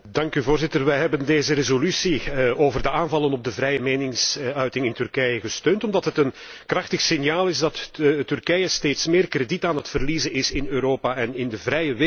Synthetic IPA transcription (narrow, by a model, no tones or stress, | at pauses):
dɑŋkyvoːrzɪtərʋɛjɦɛbəndeːzərezolysioːvərdəaːnvɑlˠənɔb̚dəvɾɛjəmeːnɪŋsœɥtɪŋɪntʏrkɛjəɣəstøːntɔmdɑtɦətən | krɑxtəxsɪnjaːlˠɪzdɑttʏrkɛjəsteːtsmeːrkreditaːnɦətfərlizəɪsɪnøːɾoːpaɛnɪndəvrɛjəʋɪ